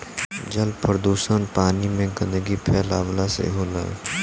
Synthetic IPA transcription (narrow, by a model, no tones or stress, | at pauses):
d͡ʒəlpəɾd̪uːsənpaːnimẽɡə̃nd̪əɡipʰɛːla̰ːʋlasḛɦoːla̰ː